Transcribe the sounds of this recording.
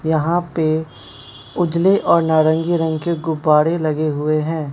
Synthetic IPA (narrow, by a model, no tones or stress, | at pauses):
jɐɦãpe | ʊd͡ʒleʔɔːɾnaːɾə̃ŋɡiɾɐ̃ŋɡkeɡʊbːaːɽelɐɡeɦʊeɦɛ̃ː